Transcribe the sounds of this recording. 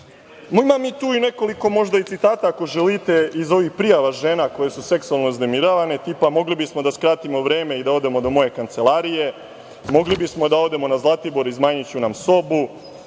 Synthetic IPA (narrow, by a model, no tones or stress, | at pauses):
moimamiːt̪uːine̞ko̞liko̞mo̞ʒd̪ait̪sit̪aːt̪ako̞ʒelit̪e̞izo̞ʋixpɾijaʋaʒeːnako̞je̞suse̞ksualˠno̞izne̞miɾaʋane̞t̪ipamo̞ɡlibismo̞d̪askɾaːt̪imo̞ʋɾe̞ːme̞id̪ao̞d̪e̞mo̞d̪o̞mo̞je̞kant̪se̞lˠaːɾije̞ | mo̞ɡlibismo̞d̪ao̞d̪e̞mo̞nazlˠat̪ibo̞ɾizmaːɲit͡ɕunamso̞bu